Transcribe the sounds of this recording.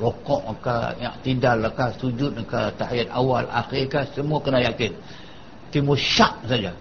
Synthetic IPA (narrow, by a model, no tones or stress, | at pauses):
rokɔʔəka̰ɲa̰ʔt̪idalːakasud͡ʒʊt̪̚əkat̪ahajat̪awala̰xiɾkasəmuakənajakɪn | t̪imuʃaʔ̚sad͡ʒa